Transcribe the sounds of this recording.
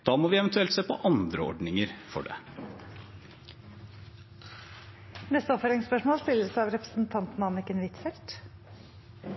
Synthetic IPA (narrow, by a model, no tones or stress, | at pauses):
d̪̥ɑːmɔʋɪɛʋənt̪ʉɛlt̪seːpʰɔ̰ʔɑnd̪ɾəɔ̰ɖnɪŋəɾfɔ̰ɖɛ̰ | nɛst̪əɔpføɾɪŋspœʂmoːlst̪ɪlːəsæɑʋɾɛpɾə̥sn̩t̪ʰɑnt̪n̩ɑnɪkənʋɪt̪fɛlt̪